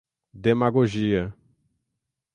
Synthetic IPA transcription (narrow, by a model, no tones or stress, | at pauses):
d̪emaɡoʒiɐ